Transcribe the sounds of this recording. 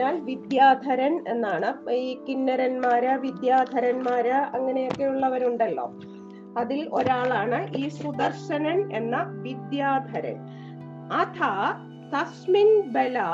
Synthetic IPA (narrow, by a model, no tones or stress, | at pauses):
aːlʋid̪jaːd̪ʱɐɾɐne̞nːaːɳɨiːkinːɐɾɐnmaːɾɨʋid̪jaːd̪ʱɐɾɐnmaːɾɨɐŋːɐne̞jo̞kːe̞uɭːɐʋɐɾuɳɖɐlːo̰ː | ɐðilo̞ɾaːɭaːɳɨʔiːsud̪ɐrʂɐnɐne̞nːɐʋid̪jaːd̪ʱɐɾɐ̰n | ɐt̪ʰɐ | t̪ɐsminbelɐ